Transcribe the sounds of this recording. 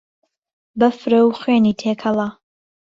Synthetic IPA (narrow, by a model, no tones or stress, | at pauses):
bɐfɾɐwxweːniːt̪ʰeːkʰɐlˠɑ